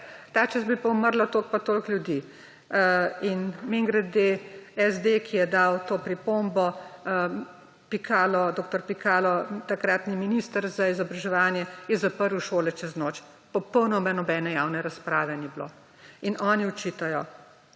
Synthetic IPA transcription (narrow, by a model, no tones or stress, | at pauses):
t̪aːt͡ʃɛsbipɐuməɾlat̪oːlk̚pat̪oːlklʲjud̪i | inmeŋɡɾad̪̚d̪eɛzd̪ekʰijɛd̪awt̪oːpɾipombɔ | pikʰaːlɔd̪oːk̚t̪ɔɾpikaːlɔt̪akɾat̪niminist̪əɾzaizɔbɾaʒɛʋaːnjɛjɛzapəɾwʃoːlɛt͡ʃɛznoːt͡ʃ | pɔpəwnɔmanɔbɛnɛjaːwnɛɾaspɾaːʋɛniblo̰ː | inɔːniɔt͡ʃit̪ajɔ